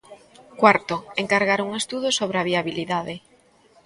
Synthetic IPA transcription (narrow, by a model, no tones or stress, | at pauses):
kwaɾt̪oeŋkaɾɣaɾuŋest̪uð̞osoβɾeaβ̞iaβiliðaðɪ